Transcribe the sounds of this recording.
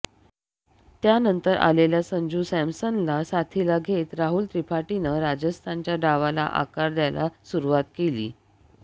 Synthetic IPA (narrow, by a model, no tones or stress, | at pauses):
t̪janənt̪əɾʔa̰leljasəɲd͡ʑuːsæmsənlasat̪ʰilaɡʱet̪ɾaɦult̪ɾipʰaʈinəɾad͡ʑəst̪ʰant͡ɕjaɖaʋala̰ʔa̰kaɾd̪jala̰suɾuʋat̪kelḭː